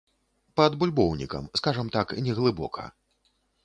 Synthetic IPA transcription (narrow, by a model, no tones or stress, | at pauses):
pɐd̪bulʲbɔwnʲḭkɐ̰mskaʐɐmt̪aknʲɛɣlˠɨbɔ̰kʰɐ̰